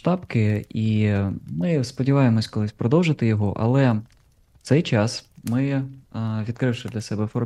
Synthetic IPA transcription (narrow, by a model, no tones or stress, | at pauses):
ʃt̪ɑpkɪimɪspɔdʲiʋɑjemɔsʲkɔlˠɪsʲpɾɔd̪ɔwʒɪt̪ɪjɔɦɔʔɐ̰lˠɛ | t̪sɛjt͡ʃɑsmɪ | ʋʲid̪̚kɾɪwʃɪd̪lʲɐsɛbɛfɔɾ